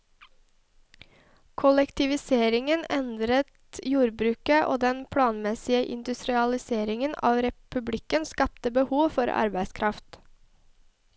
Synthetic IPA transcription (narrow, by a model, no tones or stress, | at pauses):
kʰʊlɛkt̪ɪʋɪseːɾɪŋənɛnd̪ɾət̪juːɾbɾʉːkəʔo̰ːd̪ɛnpʰɽɑːnmɛsɪəʔɪ̰nd̪ʉst̪ɾɪɑlɪseːɾɪŋənɑːʋɾɛpʉblɪkənskɑp̚t̪əbəhuːʋfɔɾʔɑ̰ɾbæɪskʰɾʔɑft̪